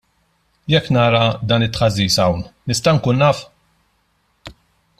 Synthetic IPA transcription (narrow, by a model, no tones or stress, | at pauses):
jɛkːnɐːɾɐd̪ɐːnɪt̪ːħɐzːiːsɐwnnɪst̪ɐŋkuːnːɐːf